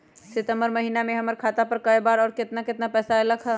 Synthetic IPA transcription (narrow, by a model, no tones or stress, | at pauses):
sɪt̪əmbəɾmɐɦiːnamẽɦɐməɾkʰaːt̪apəɾkɐebaːɾɔːɾkɪt̪nakɪt̪napɛːsaeləɡʰɦɛ